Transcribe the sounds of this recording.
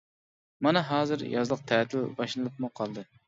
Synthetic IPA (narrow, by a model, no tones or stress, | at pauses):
mɑnɛɦɑːzɨɾjɑzlˠəq̚t̪ʰɛt̪ʰɪlbɑʃlˠɨlˠɨp̚muqʰɑlˠd̪ɨ